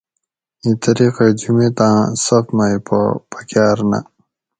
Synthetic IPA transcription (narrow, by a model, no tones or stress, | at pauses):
ĩt̪ɐɾiqed͡ʑumet̪ãːsɐfmaipʰɐ̰pɐkjaːɾna̰